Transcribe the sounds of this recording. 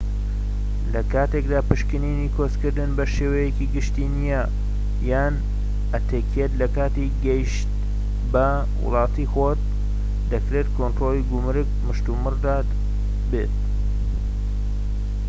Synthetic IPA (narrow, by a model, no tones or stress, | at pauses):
lɐkaːt̪ekd̪aːpɨʃkɨninikʰozkɨɾd̪ɨnbɐʃeːwɐjekiɡɨʃt̪inijɐ | jaːn | ɐt̪ʰeːkʰet̪lɐkaːt̪iɡɐjʃt̪̚ | bɐ | wʊ̰lˠɑːt̪ixot̪̚ | d̪ɐkɾet̪kʰont̪ɾolˠiɡʊmɾɨkmɨʃt̪umɨrd̪at̪ | bḛt̪̚